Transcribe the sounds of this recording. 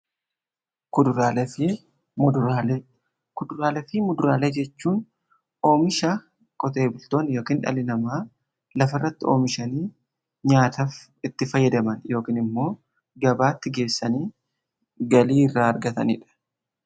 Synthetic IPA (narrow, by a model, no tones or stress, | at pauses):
kʊd̪ʊɾaːl | kʊd̪ʊɾaːlɛfɪmʊd̪ʊɾaːleːd͡ʒɛt͡ʃːuːn | o̞ːmɪʃa | kʼɔt̪e̞ːbʊlt̪oːnjo̞ːkiːnᶑɐ̰lɪnɐmaː | lɐfɐrːɐt̪ːɪo̞̰ːmɪʃɐniː | ɲaːt̪af | ɪt̪ːɪfɐjːɐd̪ɐmɐnjo̞ːkiːnɪmːo̞ː | ɡɐbaːt̪ːɪɡe̞ːsːɐniː | ɡɐliːɪrːaːɐɾɡɐt̪ɐ̰nḭːᶑɐ̥